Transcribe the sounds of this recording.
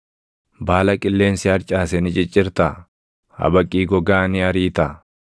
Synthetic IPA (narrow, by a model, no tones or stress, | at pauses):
baːlɐkʼɪlːeːnsɪɐɾt͡ʃʼaːsɛnɪt͡ʃʼɪt͡ʃʼːɪɾt̪a | hɐ̰bɐkʼːiːɡɔɡaːnɪɐɾiːt̪ɐ